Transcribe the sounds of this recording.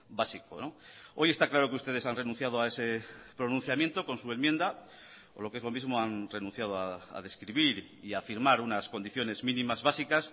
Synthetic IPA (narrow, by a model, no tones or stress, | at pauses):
basiko̞̰noo̞je̞st̪aklaɾo̞keust̪e̞ðe̞sanre̞nũn̟θjað̞oae̞se̞pɾo̞nũn̟θjamjent̪o̞ko̞nsue̞nmje̞nd̪a | o̞̰lo̞ke̞zlo̞mizmo̞anre̞nũ̟θjað̞oa̰ːðe̞skɾiβ̞iɾ | iafiɾmaɾunasko̞nd̪iθjo̞ne̞zmĩnĩmazβasikas